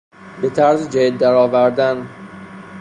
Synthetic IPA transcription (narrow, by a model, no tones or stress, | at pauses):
bet̪ʰæɾzed͡ʒæd̪̚d̪æɾɒːvæɾd̪æn